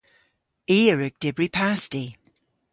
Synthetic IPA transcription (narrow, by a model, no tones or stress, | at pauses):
iːəɹəɡ̚d̥ɪbɹipʰasti